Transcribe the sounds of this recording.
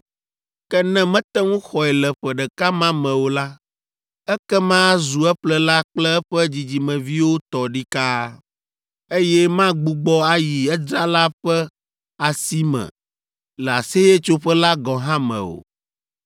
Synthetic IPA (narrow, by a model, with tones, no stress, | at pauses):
kɛ˦nɛ̃˦mɛ̃˦t̪ɛ˦ŋũ˦xɔ˨ɛ˨lɛ˨ɸɛ˨ɖɛ˨ka˦mã˦mɛ̃˨wo˨la˦ | ɛ˦kɛ˦mã˦zu˨ɛ˦ɸlɛ˦la˦k͡plɛ˦ɛ˦ɸɛ˦d͡ʑi˨d͡ʑi˨mɛ̃˨vi˦wo˦t̪ɔ˨ɖi˦ka˦ | e˦jɛ˦mã˦ɡ͡bu˨ɡ͡bɔ˦a˦ji˨ɛ˦d͡ʒɾa˦la˦ɸɛ˦ | a˨si˦mɛ̰̃˨ | lɛ˨a˨se˦je˦t͡ʃo˦ɸɛ˦la˦ɡɔ̃˨ɦã˦mɛ̰̃˨o̰˨